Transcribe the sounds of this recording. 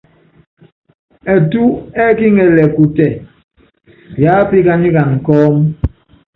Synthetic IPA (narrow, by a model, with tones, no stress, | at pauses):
ɛ˨tu˦ɛ˦ki˦ŋɛ˨lɛ˨ku˨tɛ˨ | jaː˨˦pi˦ka˦ni˦ka˨ŋ̩˨kɔː˦m